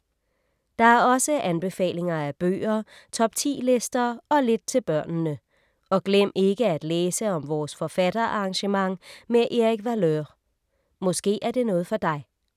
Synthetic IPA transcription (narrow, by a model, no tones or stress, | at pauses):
d̥ɑ̈æɐɒ̽səʔænb̥e̝fɛ̰ːle̝ŋɐæb̥ø̰ːɐt͡sʰɒ̽b̥t͡sʰḭːle̝sd̥ɐɒ̽le̝d̥̚t͡sʰe̝lb̥ɶɐ̰nnə | ɒ̽ɡ̥lem̰e̝ɡ̥əæd̥leːsəɒ̽mʋɒːsfɒ̽fæd̥ɐʔɑʁɑ̈ŋɕəmɑ̈ŋ̰meʔeʁiɡ̥ʋæløʁ | mɔ̽sɡ̥e̝̰ːæɐd̥e̝nɔ̽ːð̞̩ˠfɒ̽d̥ɑ̈ɪ